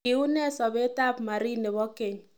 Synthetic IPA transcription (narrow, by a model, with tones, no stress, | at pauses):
i˨u˦nɛ˦˨sɔ˨be˦ta˦˨pma˨ɾi˦ne˨bɔ˦ke˨ɲ